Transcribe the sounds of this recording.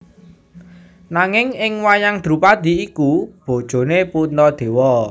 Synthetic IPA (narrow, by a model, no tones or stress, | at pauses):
naŋɪŋɪŋwajaŋd̪̥ɾṳpad̪̥i̤ikub̥o̤d̥ʒ̥o̤nepunɔd̪̥e̤wɔ